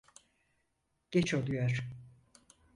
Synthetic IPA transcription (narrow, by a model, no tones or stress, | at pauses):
ɟ̥et͡ʃolˠujoɾ̥